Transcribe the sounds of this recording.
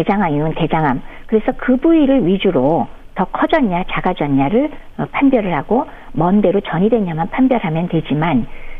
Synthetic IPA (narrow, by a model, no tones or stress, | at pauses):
ed͡ʑaŋaŋuɯnte̞d͡ʑaŋamkɯɾe̞sʰʌkɯbuiɾɯɭɥid͡ʑuɾo | tʌkʰʌd͡ʑʌɲːat͡ɕaɡad͡ʑʌɲːaɾɯɭ | pʰanbjʌɾɯɭhaɡ̥o | mʌnde̞ɾot͡ɕʌɲidwe̞ɲamanpʰanbjʌɾɦamjʌntwe̞d͡ʑiman